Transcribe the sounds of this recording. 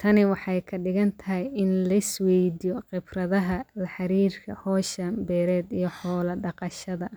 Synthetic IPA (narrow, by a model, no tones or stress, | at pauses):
t̪ʰɐnɪwɑħɑjkʰɐɖɪɣɐnt̪ʰɐɪjɪnlɐɪswɛjd̪ijɔqɪbrɐðɐɦɐlɐħɑɾiːrkʰɐ̰hɔːʃɐmbɛːɾɛːd̪ijɞħɔːlɐɖɑqɑʃɐðɐ